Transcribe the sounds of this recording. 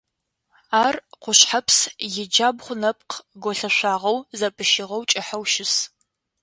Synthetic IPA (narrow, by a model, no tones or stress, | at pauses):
aːrqʷʊɕħapʰsjɪd͡ʒaːbχʷʊnɐp̚ʼqʰɡʷɔɬɐʃʷaːʁɐwzɐpʼɨʃɪʁɐwt͡ʃʼɪħawʃɪs